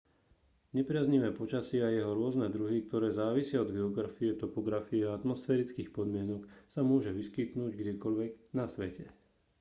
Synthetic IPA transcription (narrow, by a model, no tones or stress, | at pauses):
ɲɛpɾɪazɲiʋɛːpɔt͡ʃasɪajɛɦɔɾʊɔznɛd̪ɾuɦik̚t̪ɔɾɛːzaːʋisɪaɔd̪ɡɛɔɡɾafiɛt̪ɔpɔɡɾafiɛaat̪mɔsfɛːɾit͡skiːxpɔd̪mɪɛnɔksamʊɔʒɛʋiskit̪nuːɟɡɟɛkɔʎʋɛɡnasʋɛcɛ